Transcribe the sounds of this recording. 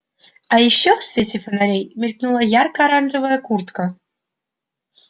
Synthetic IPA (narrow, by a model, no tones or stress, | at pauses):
ɑjiɕːofsvʲetʲefənaɾʲejmʲerʲknulˠəjarkɐːɾanʐɨvɐjəkurt̪kə